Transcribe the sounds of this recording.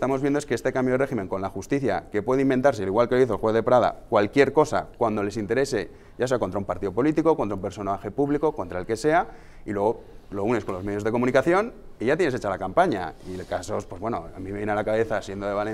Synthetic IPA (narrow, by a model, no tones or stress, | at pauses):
st̪amo̞zβjend̪oeske̞est̪e̞kambjoðreximẽ̞ŋko̞nlaxust̪iθja̰ke̞pwe̞ðeimbe̞nt̪aɾs̬ealiɣwalkeoiθolxwe̞θðe̞pɾað̞a̰kwalkje̞ɾko̞sa̰kwand̪o̞le̞sint̪e̞ɾe̞se̞ | jas̬e̞akont̪ɾaumpaɾt̪iðo̞po̞lit̪iko̞ko̞nt̪ɾaumpe̞ɾso̞naxe̞puβliko̞ko̞nt̪ɾaelke̞se̞a | ilwe̞ɣ̞o̞lo̞uneko̞nlo̞me̞ð̞jo̞zðe̞ko̞mũnikaθjo̞niʝat̪jeneset͡ʃalakampaɲa̰ikaso̞spwe̞zβwe̞no̞̰amimejenalakaβe̞θasje̞nd̪o̞ðe̞βale